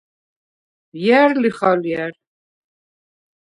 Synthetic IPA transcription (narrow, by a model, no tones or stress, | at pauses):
jæɾliχaljæɾ